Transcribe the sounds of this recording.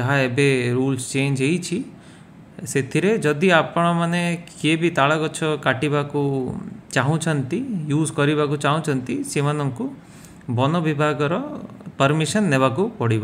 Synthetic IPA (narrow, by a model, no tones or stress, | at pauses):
d͡ʒɔɦaebeɾuːlst͡ʃeːnd͡ʒeit͡ʃʰi | set̪ʰiɾed͡ʒɔd̪iapɽ̃ɔmanekebʱit̪aɭakɔt͡ʃʰɔkaʈibakut͡ʃaɦũt͡ʃʰɔnt̪ijuːzkɔɾibak̬ut͡ʃaɦũt͡ʃʰɔnt̪isemanɔŋku | bɔnɔʋibʱaɡɔɾɔpɐɾmiʃənːeβakupɔɽiba